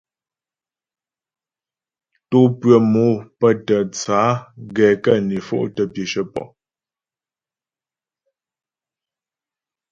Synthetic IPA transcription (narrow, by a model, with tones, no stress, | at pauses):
tu˦pɰə˨mo˨˦pə˦˨tə˨t͡saː˨˦ɡɛː˨kə˦˨ni˨fo̰˦ʔtə˦pje˨ʃə˦pɔ̰˨ʔ